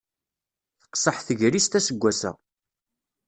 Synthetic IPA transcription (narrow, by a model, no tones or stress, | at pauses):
θə̥qsˤəħθəʝɾist̪æsəɡʷːæsæ̰